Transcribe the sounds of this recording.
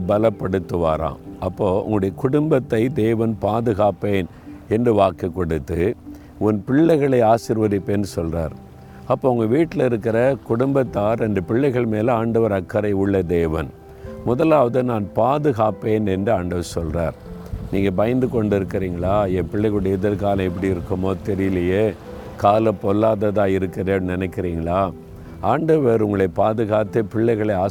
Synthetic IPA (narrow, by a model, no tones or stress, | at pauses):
bɐlɐpːɐɽɯt̪ːɯʋa̰ːɾã̰ːɐpːoːʊ̰ŋɡɐɽɐjɐkʊɽʊmbɐt̪ːɐɪd̪eːʋɐnpaːðɯɣaːpːeːn | ɛndrɯʋaːkɐkːɔɽɯt̪ːɯ | ʊnpɪɭːɐɪɣɐɭɐɪaːsɪɾʋɐðɪpːeːnɯsɔlra̰ːɾ | ɐpːoːʊŋɡɐʋiːʈːɪlɪɾɯkːɪɾɐkʊɽʊmbɐt̪ːaːɾɛɳɖɯpɪɭːɐɪɣɐɭmeːlaːɳɖɐʋɐɾɐkːɐɾɐɪʊɭːɐd̪eːʋɐn | mʊðɐlaːʋɐðɯnaːnpaːðɯɣaːpːeːnɛndrɯaːɳɖɐʋɐɾsɔlra̰ːɾniːŋɡɐbɐjɐnd̪ɯkɔɳɖɪɾɯkːɪɾiːŋɡɐɭaːɛpɪɭːɐɪɣɐɭʊɽɐɪðɐɾkaːlɐ̃ɛp̬ːɐɽiɪɾɯkːɯmoːt̪ɛɾɪjɪlɐjeː | kaːlɐpːɔlːaːðɐðaːɪɾɯkːɪɾeːnnɪnɛɪkːɪɾiːŋɡɐɭaː | aːɳɖɐʋɐɾʊŋɡɐɭɐɪpaːðɯɣaːt̪ːepɪɭːɐɪɣɐɭɐɪaː